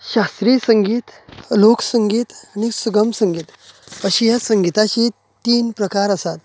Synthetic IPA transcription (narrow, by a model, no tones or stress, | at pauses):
ɕast̪ɾiːsəŋɡiːt̪loksəŋɡiːt̪añisuɡəmsəŋɡiːt̪əɕijasəŋɡit̪at͡ɕiː | t̪iːnpɾəkaɾəsat̪